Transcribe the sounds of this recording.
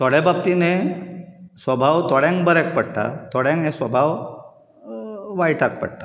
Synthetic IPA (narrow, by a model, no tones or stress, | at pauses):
t̪oɽebab̚t̪ine | sʋəbʱaʋt̪ɔɽjãŋkbəɾɛk̚pəɽt̪a̰t̪ʰoɽãŋknesʋəbʱaʋ | ʋajiʈʰak̚pə̰ɽt̪a